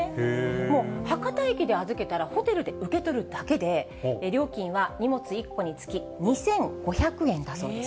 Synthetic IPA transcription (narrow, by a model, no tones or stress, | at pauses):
mo̞ːhakat̪aekʲid̪e̞azɨke̞t̪aɾaho̞t̪e̞ɾɯ̟d̪e̞ɯ̟ke̞t̪o̞ɾɯ̟d̪ake̞d̪e̞ | ɾʲjo̞ːkʲĩɰ̃βaɲ̟imo̞t͡sɨikːo̞ɲ̟it͡sɨ̥kʲi | ɲ̟isẽ̞ŋɡ̥o̞çakɯ̟ẽ̞nd̪aso̞ːd̪e̞s